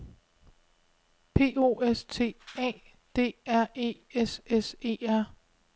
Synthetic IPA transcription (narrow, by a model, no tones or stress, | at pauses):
pʰe̝̰ːo̝̰ːest͡sʰe̝̰ːɛ̰ː | d̥e̝̰ːæɐ̰e̝̰ːesese̝̰ːæɐ̰